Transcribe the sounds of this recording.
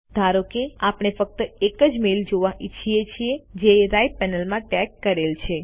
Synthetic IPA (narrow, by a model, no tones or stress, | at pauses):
d̪ʱaɾokeapɳ̃efək̚t̪əekəd͡ʒmeld͡ʒoʋãʔit͡ʃʰiet͡ʃʰied͡ʒeɾajpɛnəlmãʈɛkːəɾelt͡ʃʰe